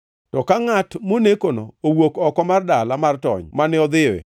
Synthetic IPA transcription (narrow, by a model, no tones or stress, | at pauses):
tɔkaŋatmonekono̰owokɔkɔmardalamartɔ̰ɲmanɪɔd̪ɪḛ